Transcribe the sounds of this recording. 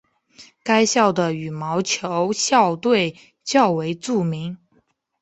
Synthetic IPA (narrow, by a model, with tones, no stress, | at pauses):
ka˥ɪɕjɑ˥˩ʊd̪ə˩y˨˩mɑ˧˥ʊt͡ɕʰjo˧˥ʊɕjɑ˥˧ʊt̪we˥˧ɪ | t͡ɕjɑ˥˩ʊwe˧˥ɪʈ͡ʂu˥˩mi˧˥ŋ